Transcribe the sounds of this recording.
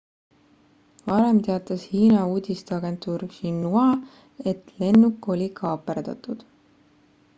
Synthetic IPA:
vɑɾemt̪e̞ɑt̪ːˑɑshiːnɑuːd̪ʲist̪eɑɡ̥e̞nt̪ˑuːrʃinːuɑ | e̞t̪le̞nːukːˑo̞lʲikʰɑːpːˑerd̪ɑ̰t̪ˑud̪̥

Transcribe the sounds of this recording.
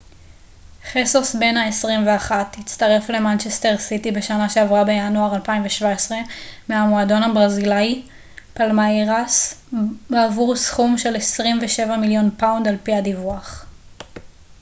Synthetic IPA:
χesosbe̞naesʁimveaχatit͡staʁe̞fle̞mant͡ʃeste̞ʁsitibe̞ʃanaʃe̞avʁabe̞januaʁalpaimveʃvaesʁe̞meamoado̞nabʁazilaj | palmaeʁas | avuʁsχumʃe̞lesʁimveʃe̞vamiljo̞npawndalpihadivuaχ

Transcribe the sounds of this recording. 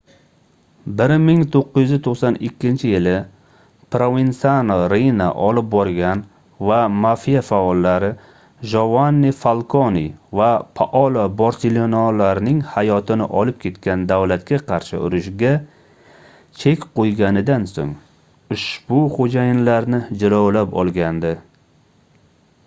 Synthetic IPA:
bɪɾmɪŋt̪ʰoqːɨzjyzɪt̪ʰoqsanɪkʲʰːɪnt͡ʃʰɪjɪlɪ | pɾovinsanoɾejna̰ʔɒlɪp̚bɒɾɡʲan | vamafijafaɒlːaɾɪ | ʒovanːifalˠkʰonḭvapʰaʔɒlabaɾsɪlonɒlaɾɪnɪŋhajɒt̪ʰɪnɪ̰ʔɒlɪp̚kʲʰe̞t̪kʲand̪awlat̪kʲaqʰɑɾʃɪ̰ʊɾʊʃɡʲa | t͡ʃʰe̞kʲqojɡʲanɪd̪anso̰ŋ | ʊʃbʊχod͡ʒajɪnlaɾnɪd͡ʒɪlawlapɒ̰lˠɡʲand̪ɪ

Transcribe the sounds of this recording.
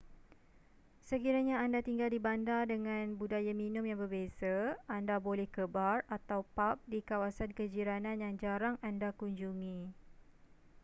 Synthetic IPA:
səkiɾaɲaːndat̪iŋɡaldibandadəŋãnbudajamĩnʊ̃mjaŋbərbesaandabolɛhkəbarat̪awpap̚dikawasankəd͡ʒiɾanãnjaŋd͡ʒaɾaŋandakuɲd͡ʒuŋĩ

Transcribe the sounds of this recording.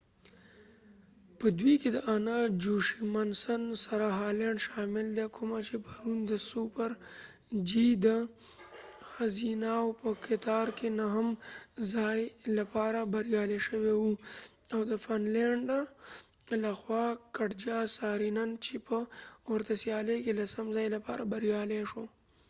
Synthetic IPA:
pəd̪wiked̪əʔanad͡ʒuʃimansansaɾaɦɑːleɳɖʃɑmɪld̪ekʰʊmat͡ʃepəɾund̪əsupəɾ | d͡ʒid̪ə | xazinawpəkʰɪt̪ɑɾkenaɦəmzaːjlɐpaːɾabɐɾijaːleʃəwewuawd̪əfanleɳɖa | laxwaːkɐʈd͡ʒaːsaːɾinɐnt͡ʃʰepəʊɾt̪asjaːlekelɐsɐmzaːjlɐpaːɾabɐɾjaːleʂo

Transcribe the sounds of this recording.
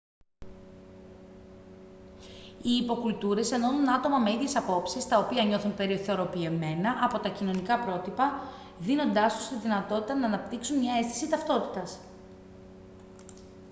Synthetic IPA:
iːpo̞kult̪uɾe̞se̞no̞nunɐt̪o̞mɐme̞iðʝe̞sɐpo̞psist̪ɐo̞piɐɲo̞θunpe̞ɾiθeo̞ɾo̞pie̞me̞nɐʔɐpo̞t̪ɐcino̞nikɐpɾo̞t̪ipɐ | ðino̞nd̪ɐst̪u̥st̪iðinɐt̪o̞t̪it̪ɐnɐːnɐpt̪iksunmɲɐe̞st̪i̥sit̪ɐft̪o̞t̪i̥t̪ɐs

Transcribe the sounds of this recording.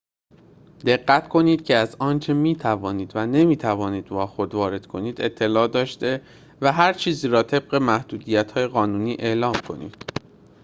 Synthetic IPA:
d̪̥e̞ɢːæt̪kʰo̞niːd̪̥cʰe̞æzɒːnt͡ʃʰe̞miːt̪ʰævɒːniːd̪væne̞miːt̪ʰævɒːniːd̪vɒːxo̞d̪vɒːɾe̞d̪̥kʰo̞niːd̪e̞t̪ʰːe̞lɒːd̪ɒːʃt̪e̞ | væɦæɾt͡ʃʰiːziːɾɒːt̪ʰe̞b̥̚ɢe̞mæhd̪̥uːd̪iːjæt̪hɒːje̞ɣɒːnuːniːʔe̞ːlɒːmkʰo̞̰nḭːd̪̥

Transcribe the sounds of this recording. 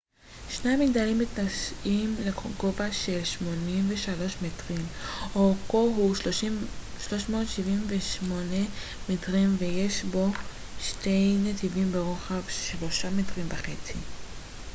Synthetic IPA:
ʃneamiɡ̚d̪alimːitnaʃʔimleɡo̞vaʃe̞lʃmo̞nimveʃalo̞ʃmetʁimokoɦuʃ | ʃlo̞ʃmo̞ːtʃivimveʃmo̞ne | metʁimveje̞ʃbo̞ | ʃte̞jnetivimbeʁoχavʃlo̞ʃametʁimbeχet͡si

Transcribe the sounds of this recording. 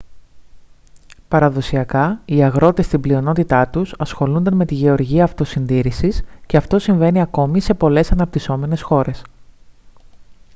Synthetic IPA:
pɐɾɐðo̞siɐkɐiɐɣɾo̞t̪e̞st̪iblio̞no̞t̪it̪ɐt̪usɐsxo̞lund̪ɐnme̞t̪iʝe̞o̞ɾʝiɐːft̪o̞sinðiɾisisce̞ɐft̪o̞siɱve̞niɐko̞mise̞po̞le̞sɐnɐp̚t̪iso̞me̞ne̞sxo̞ɾe̞s

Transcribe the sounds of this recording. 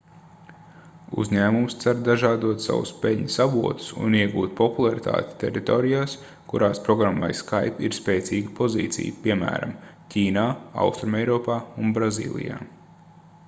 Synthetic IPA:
ṵzʲɲæːmumst̪saɾd̪aʒaːd̪uɔt̪sa̰wṵspeʎʲɲusabṵɔt̪u̥sṵniɛɡṵːt̪̚pɔpulˠaɾit̪ʰa̰ːt̪ʲe̥t̪ɛ̰ɾit̪ɔːɾijaːs | kuɾaːspɾɔɡɾamːa̰jskajpiɾspeːt̪siːɡəpɔziːt̪sḭjpiɛmæ̰ːɾa̰mcʰʲiːnaːa̰wst̪ɾumɛjɾɔːpaːunbɾazḭːlˠḭja̰ː

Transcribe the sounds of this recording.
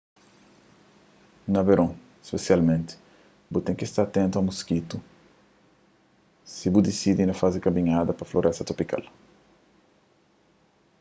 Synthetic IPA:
nɐveɾõ | e̥spesjalmẽnt̪ɪ̥ | but̪ẽŋkist̪aɾat̪ẽnt̪uɐmuskit̪u | sibud̪isid̪inɐfazɪkɐmĩɲad̪ɐpɐfloɾʔɛst̪ɐt̪ɾopika̰l

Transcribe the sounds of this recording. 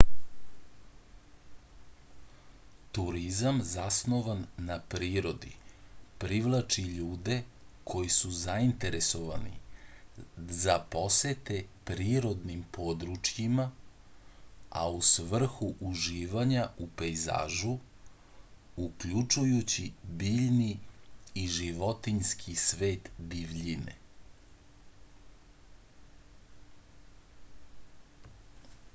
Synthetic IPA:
t̪uɾizamzasno̞ʋanːapɾiːɾo̞d̪ḭpɾiʋlˠat͡ʃiʎuːd̪e̞kʰo̞jisuzaint̪e̞ɾeso̞ʋanḭ | zapo̞set̪epɾiːɾo̞d̪nimpʰo̞d̪ɾut͡ʃjima | a̰usʋr̩xuʔuʒiːʋaɲaupejza̰ːʒu | ukʎut͡ʂujut͡ɕibiːʎniː | ʒiʋot̪iɲskʰisʋe̞ːt̪biʋʎinḛ

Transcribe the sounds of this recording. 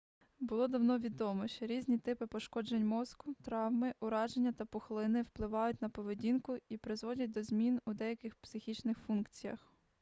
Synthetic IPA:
bʊlˠɔd̪ɐwnɔʋʲid̪ɔmɔʃt͡ʃɔɾʲizʲnʲit̪ɪpɪpɔʃkɔd͡ʒenʲmɔskʊt̪ɾɑwmɪʔʊɾɑʒenʲːɐt̪ɐpɔxlˠɪnɪwplˠɪʋɑjʊt̚ʲnɐpɔʋedʲinkʊipɾɪzʋɔdʲɐt̚ʲd̪ɔzʲmʲinud̪ɛjɐkɪxpsɪxʲit͡ʃnɪxfunkt͡sʲijɐ̰x

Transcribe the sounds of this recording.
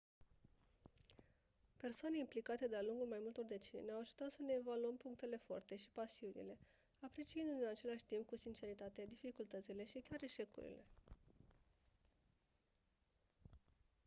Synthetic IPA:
pe̞rsoane̞implikat̪e̞d̪ealuŋɡulmajmult̪o̞rd̪e̞t͡ʃenineawaʒut̪at̪səne̞ːvaluəmpuŋk̚t̪e̞le̞fo̞̰rt̪e̞ʃi̥pasiunḭle̞ | apɾe̞t͡ʃiɨnd̪uinat͡ʃe̞laʃʲt̪imp̚kusint͡ʃe̞ɾit̪at̪ed̪ifikult̪ət̪sile̞ʃikʲaɾe̞ʃe̞kṵɾḭle̞̰

